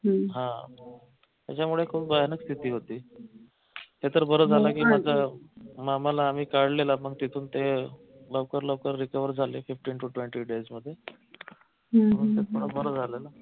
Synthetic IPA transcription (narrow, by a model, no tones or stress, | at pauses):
ɦɦã | t̪jat͡ɕamuɭekʰuːpbəjanəkst̪ʰit̪iːɦot̪iː | t̪et̪əɾbəɾəd͡zʱalakiːmad͡zʱamaməlaːm̤iːkaɽlelaməɡt̪it̪ʰuːnt̪e | ləʋkəɾləʋkəɾːikəʋəɾd͡zʱalefifʈiːnʈuʈʋeɳʈiːɖed͡zməd̪ʱːje | əməset̪̚puɳ̃əbəɾəd͡zʱalela